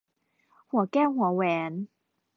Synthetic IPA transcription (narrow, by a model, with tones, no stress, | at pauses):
hu˨˩˦kɛː˥˩wɦu˨˩˦ɐwɛː˨˧˦n